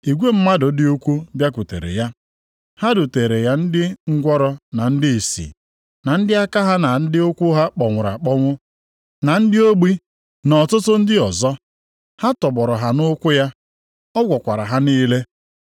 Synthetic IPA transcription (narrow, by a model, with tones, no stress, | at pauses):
i˨ɡʷe˦m̩˦ma˦dʊ˨dɪ˦u˦kʷu˦bja˦k̬u˨tḛ˨ɾḛ˨ja˦ | ha˦dʊ˨te˨ɾe˨ja˦n̩˦dɪ˦ŋ̩˦ɡʷɔ˦ɾɔ˦na˨n̩˦dɪ˦i˨sḭ˨ | na˨n̩˦dɪ˦a˦ka˦ɦa˦na˨n̩˦dɪ˦ʊ˦kʷu˦ɦa˦k͡pɔ˨ŋʷʊ˨ɾa̰˨k͡pɔ˦ŋʷʊ˦ | na˨n̩˦dɪ˦o˦ɡ͡bi˦ | nɔ˨tʊ˦tʊ˦n̩˦dɪ˦ɔ˨zɔ˦ | ha˦tɔ˨bɔ˨ɾɔ˨ɦa˨nʊ˦kʷʊ˦ja˦ | ɔ˦ɡʷɔ˨kʷa˨ɾa̰˨ɦa˦niː˦le˦